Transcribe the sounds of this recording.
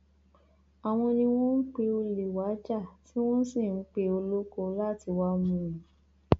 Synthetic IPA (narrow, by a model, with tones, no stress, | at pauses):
a˨w̃ɔ̃˧nĩ˧w̃ɔ̃˦n̩˦k͡pe˧o˧le˨wa˨˦d͡ʒa˦˨ti˨˦w̃ɔ̃˦si˦˨n̩˦k͡pe˧o˧lo˦ko˧la˦ti˧wa˧mũ˧˦˨ĩ˨